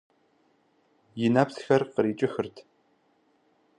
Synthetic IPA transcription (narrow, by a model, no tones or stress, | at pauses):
jɪnapsxɐrqəɾiːt͡ʃʼɪxɨrtʰ